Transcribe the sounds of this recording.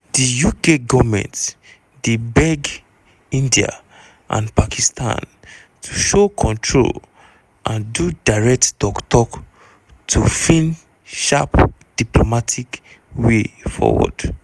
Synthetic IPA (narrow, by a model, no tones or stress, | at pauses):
dijukeɡɔvmɛ̰̃nt | debɛɡ | ĩndia̰ | ʔã̰npakistʰã̰n | tʰuʃokʰɔ̃ntʰɹo̰l | ʔãndudaɹɛk̚tdɔktɔk | tʰufĩn | ʃapd̥iplomatʰik | wefɔ̰wɔ̰d̥